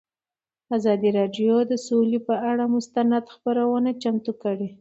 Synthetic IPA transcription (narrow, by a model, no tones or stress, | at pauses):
azɑd̪iɾɑɖjod̪əsolepəaɽamʊst̪anad̪xpəɾawənat͡ʃamt̪ukəɽe